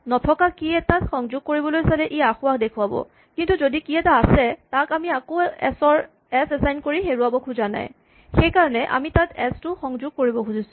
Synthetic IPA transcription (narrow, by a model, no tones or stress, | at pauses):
nɔtʰɔkakiɛtatxɔŋzʊɡ̚koɹibɔlojsalɛʔijaxʊwakdekʰʊwabɔ̰ | kintuzodikiɛtaːsɛtakamiakoɛ̰sɔɹ | ɛsɛsajnkoɹixeɹuabɔkʰuzana̰j | xejkaɹɔnɛʔa̰mitatɛstʊxɔŋzʊɡ̚koɹibɔkʰuzisʊ̥̃